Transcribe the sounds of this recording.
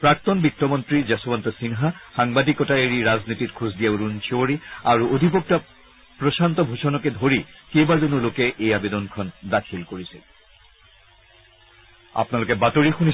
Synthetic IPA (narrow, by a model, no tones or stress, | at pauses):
pɹak̚t̪ɔnbik̚tɔmɔntɹizasɔbantɔsinɦaxaŋbadikɔtaeɹiɹaznititkʰuzdijauɹunt͡ʃʰooɹiaɹuʔod̪ʱip̬ɔk̚ta | pɹɔsant̪ɔbʱusɔnɔkɛdʱoɹikejbazonulokɛʔejabedɔnkʰɔndakʰilkoɹisḭl | a̰pnalokɛbatoɹixuni